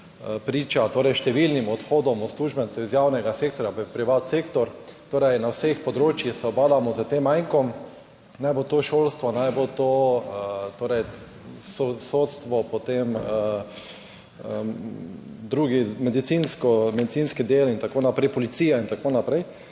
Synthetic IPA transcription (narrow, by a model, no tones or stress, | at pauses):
pɾiːt͡ʃat̪oːɾɛjʃt̪ɛʋilnimɔt̪xoːd̪ɔmɔsluːʒbɛnt̪ɛizjawnɛɡaseːk̚t̪ɔɾjappɾiʋat̪seːkt̪ɔɾt̪oːɾɛjnawsexpɔd̪ɾoːt͡ʃjixsɛɔbaːlamɔzət̪emːajŋkɔm | najbot̪oːʃoːlst̪ʋɔnajbot̪o | t̪oːɾɛj | sosoːt̪st̪ʋɔpɔt̪emə | d̪ɾuːɡimɛd̪it̪sinskɔmɛd̪it̪sinskid̪eːlint̪akoːnapɾɛjpɔlit̪siːjaint̪akoːnapɾɛɪj